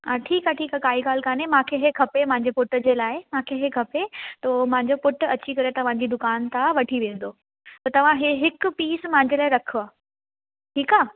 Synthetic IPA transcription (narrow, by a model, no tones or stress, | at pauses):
aːʈʰiːkaːʈʰiːkaːkaːiɡaːl̤kaːnemãːkʰeɦekʰɐpemãɦɪ̃ɲ̆d͡ʑepʊʈd͡ʑeːlaːɪmãːkʰeɦekʰɐpet̪oːm̃ɦɪ̃ɲ̆d͡ʑopʊʈɐt͡ɕikɐɾet̪ɐʋ̤ãɲ̆d͡ʑiːd̪ʊkaːnt̪ʰaʋɐʈʰiʋẽːn̆d̪oː | t̪ot̪ɐʋ̤ãɦeɦɪkʊpiːsmãɦɪ̃ɲd͡ʑelaːɪɾɐkʰoaː | ʈʰiːkaː